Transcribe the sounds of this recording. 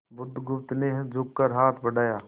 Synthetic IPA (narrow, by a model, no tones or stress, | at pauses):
bʊd̪ʱːɡʊp̚t̪neɦd͡ʒʊkkəɾɦaːt̪ʰbəɖaːjaː